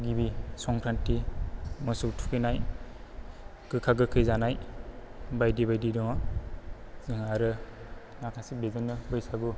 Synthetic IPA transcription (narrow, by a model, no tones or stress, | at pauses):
ɡibisɔŋkɾantimɔsuktʰu̥kʰɯjnaj | kɯkʰaɡɯkʰɯjzanaj | bajdibajdidɔŋa | zɯŋaɾɯ | nakʰasik̚bezɯnːɯbɯjsaɡu